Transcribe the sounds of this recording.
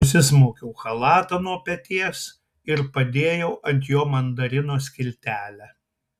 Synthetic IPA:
ʊs̬ʲɪsmoːkʲɛʊxɐlˠɑːt̪ɐnuɔpʲɛt̪ʲiɛs | ɪɾpɐd̪ʲeːjɛʊʔɐnʲt̪ʲjoːmɐnd̪ɐɾʲɪnoːsʲkʲɪlʲt̪ʲæːlʲæː

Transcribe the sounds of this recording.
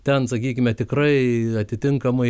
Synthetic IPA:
t̪ʲɛnsɐkʲiːkʲɪmʲɛt̪ʲɪkrɐɪɐt̪ʲɪt̪ʲɪŋkɐmɐɪ

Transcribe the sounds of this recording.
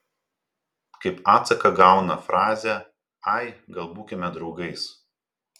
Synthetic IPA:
kɐɪpɑːt̪sɐkɐɡɑˑʊnɐfɾɑːzʲɛ | ɐɪɡɐlˠbuːkʲɪmʲɛd̪ɾɒʊɡɐɪs

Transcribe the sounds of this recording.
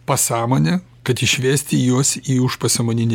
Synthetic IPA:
pɐsɑːmoːnʲɛ | kɐt̪ɪʃʲʋʲeːsʲt̪ʲɪjuɔsiːʊʃpɐsʲɐmoːnʲɪnʲe

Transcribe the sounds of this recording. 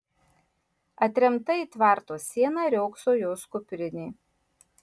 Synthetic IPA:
ɐt̪ʲɾʲɛmt̪ɐiːt̪ʋɑˑɾt̪oːsʲiɛnɑɾʲɛʊksoːjoːskʊpʲɾʲɪnʲeː

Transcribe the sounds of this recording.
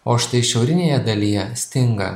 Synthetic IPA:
oːʃʲt̪ɐɪʃʲɛʊɾʲɪnʲeːjɛd̪ɐlʲijɛsʲt̪ʲɪŋɡɐ̰

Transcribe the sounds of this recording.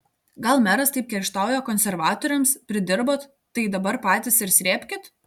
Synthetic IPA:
ɡɐlˠmʲæɾɐst̪ɐɪp̚ʲkʲɛɾʲʃt̪ɑˑʊjoːkɔnʲsʲɛɾʋɑːt̪ɔːɾʲɛmspʲɾʲɪd̪ʲɪɾboːt̪ːɐɪd̪ɐbɐɾpɑːt̪ʲɪsɪɾsʲɾʲeːpʲkʲɪt̪

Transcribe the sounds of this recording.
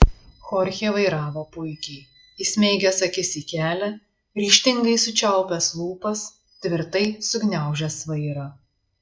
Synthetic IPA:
xɔɾʲxʲeːʋɐɪɾɑːʋoːpʊɪkʲɛɪ | isʲmʲɛɪɡʲɛsɐkʲɪsʲiːkʲæːlʲɛ | ɾʲiːʃʲt̪ʲɪŋɡɐɪsʊt͡ʃʲɛˑʊpʲɛslˠuːpɐs | t̪ʲʋʲɪɾt̪ɐɪsʊɡnʲæˑʊʒʲɛsʋɐɪɾɐ

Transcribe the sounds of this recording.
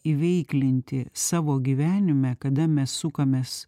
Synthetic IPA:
iʋʲɛɪklʲɪnʲt̪ʲɪsɑːʋoːɡʲiːʋʲæːnʲɪmʲɛkɐd̪ɐmʲɛsːukɐmʲeːs

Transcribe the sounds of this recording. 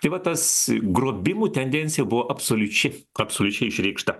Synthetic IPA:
t̪ɐɪʋɐt̪ɐsɡɾoːbʲɪmuːt̪ʲɛnʲd̪ʲɛnʲtsʲɪjɛbʊʋoːʔɐpsoːlʲʊt͡ʃʲɪ | ɐpsoːlʲʊt͡ʃʲɛɪɪʃʲɾʲɛɪkʃt̪ɐ

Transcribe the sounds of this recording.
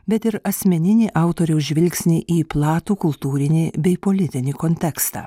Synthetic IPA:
bʲɛt̪ɪɾɐsʲmʲɛnʲɪnʲiːʔɑˑʊt̪oːɾʲɛʊʒʲʋʲɪlʲksʲnʲiʔiːplˠɑːt̪uːkʊlˠt̪uːɾʲɪnʲiːbʲɛɪpoːlʲɪt̪ʲɪnʲiːkoːnʲt̪ʲɛkst̪ɑ̰ː

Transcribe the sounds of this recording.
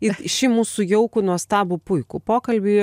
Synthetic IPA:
ɪʃʲɪmuːsʊjɛʊkʊnuɔst̪ɑːbʊpʊɪkʊpoːkɐlʲbʲɪ

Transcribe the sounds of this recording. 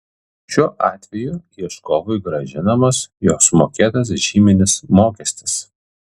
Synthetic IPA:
ʃʲuːʔɑːt̪ʲʋʲɛjujiʃkɔʋʊɪɡɾɐʒʲɪnɐmɐsjoːsmoːkʲeːt̪ɐs̬ʒʲiːmʲɪnʲɪsmoːkʲɛsʲt̪ʲɪ̥s

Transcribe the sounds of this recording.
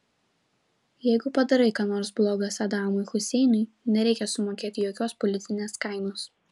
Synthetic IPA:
jɛɪɡʊpɐd̪ɐɾɐɪkɐnoːɾsblˠoːɡɐsʲɐd̪ɑːmʊɪxʊsʲɛɪnʊɪ | nʲɛɾʲɛɪkʲɛsʊmoːkʲeːt̪ʲɪjoːkʲoːspɔlʲɪt̪sʲɪnʲeːskɐˑɪnoːs

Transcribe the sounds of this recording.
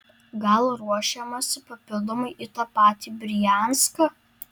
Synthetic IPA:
ɡɐlˠɾuɔʃʲɛmɐsʲɪpɐpʲɪlˠd̪omɐɪʔit̪ɐpɑːt̪ʲiːbʲɾʲɪjæˑnskɐ

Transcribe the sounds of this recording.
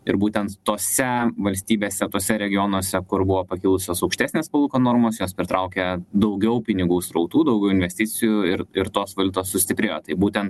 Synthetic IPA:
ɪ̰ɾbuːt̪ʲɛnt̪t̪oːsʲɛʋɐlʲsʲt̪ʲiːbʲeːsʲɛt̪oːsʲɛɾʲɛɡʲɪjoːnoɔsʲɛkʊɾbʊʋoːpɐkʲiːlˠʊsʲoːsɐʊkʃt̪ʲæːsʲnʲeːspɐlˠuːkoːnoːɾmoːsjoːspʲɾʲɪt̪ɾɐʊkʲeːd̪ɐʊɡʲɛʊpʲɪnʲɪɡuːsɾɐʊt̪uːd̪ɐʊɡʲɛʊɪnʲʋʲɛsʲt̪ʲɪt͡s̪ʲɪjuɪɾɪɾt̪oːsʋɐlʲʊt̪oːssʊsʲt̪ʲɪpʲɾʲeːjoːt̪ɐɪbuːt̪ʲɛnt̪

